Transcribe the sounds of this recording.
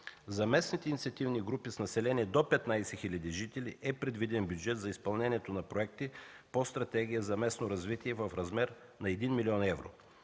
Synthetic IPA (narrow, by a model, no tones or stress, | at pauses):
zɐmɛsnit̪ɛinit̪siɐt̪ivniɡɾupisnɐsɛlɛniɛd̪opɛt̪najsɛxilʲɐd̪iʒit̪ɛlʲḭʔɛpɾɛd̪vid̪ɛnbʲjud͡ʒɛt̪zɐispɐlˠnɛniɛt̪onɐpɾoɛk̚t̪ipost̪ɾɐt̪ɛɡ̟ijəzɐmɛsnoɾɐzvit̪iɛvəfɾɐzmɛɾnɐɛd̪inmiliɔnɛvɾo̰